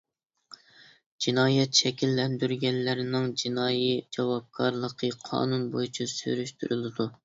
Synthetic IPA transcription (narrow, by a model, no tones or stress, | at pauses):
d͡ʒinɑːjɛt̪ʃɛkʲilːɛnd̪yɾɡʲɛnːɪɾɪnɪŋd͡ʒinɑːjid͡ʒɑwɑb̚kʰɑɾlˠəqʰəqʰɑ̰ːnunbojyt͡ʃʰisy̰ɾyʃt̪ʰyɾylɪd̪u